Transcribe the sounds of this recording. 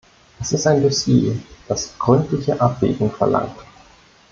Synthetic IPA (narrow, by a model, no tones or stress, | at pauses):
ʔɛsɪstaɪndusjeːd̥asɡ̥ʁʏntlɪçəʔap̚v̥ḛːɡŋ̩fɛɐlʔa̰ŋt